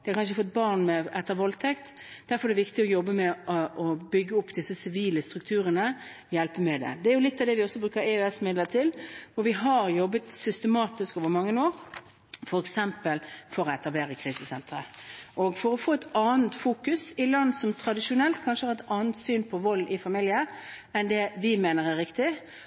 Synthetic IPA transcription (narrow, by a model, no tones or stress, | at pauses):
d̪̥ɛækʰɑnʃəfɔt̪̚bɑʁnmɛɛt̪ːəɾʋɔlt̪ʰɛkt̪ | d̪̥æɾfɔɾɛd̪ɛʋɪkt̪ɪɔjɔbːəmɛʔɔʔɔbʏɡːəʊpːd̪ɪsːəsɪʋiːləst̪ɾʉk̚t̪ʰʉːɾənə | jɛlpəmɛd̪ɛ̰d̪ɛæɾjʊlɪt̪ːɑʋd̪ɛʋɪɔsːɔbɾʉːkəɾɛøɛsmɪd̪ləʁt̪ʰɪlʋʊɾʋɪɦɑɾjɔbːət̪sʏst̪əmɑːt̪ɪskoːʋəɾmɑŋːənoːɾ | fɔɾɛksɛmpəlfɔɾɔɛt̪ɑbleːʁəkʰɾiːsəsɛnt̪ɾəʔɔɡfɔɾɔfoːɛt̪ɑːnt̪fuːkʉsɪlɑnsɔmt̪ʰɾɑd̪ɪʂʊnɛlt̪kʰɑnʂəhɑɾɛt̪ɑːnt̪syːnpʰɔʋɔlːʔɪfɑmɪljə | ɛnd̪ɛʋɪmeːnəɾæɾɪkt̪ɪ